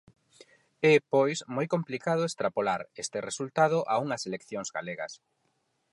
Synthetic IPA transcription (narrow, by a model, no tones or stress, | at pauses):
ɛpojsmojkomplikað̞ʊest̪ɾapolaɾest̪eresult̪aðʊʔauŋɐselekθjoŋzɡaleɣɐs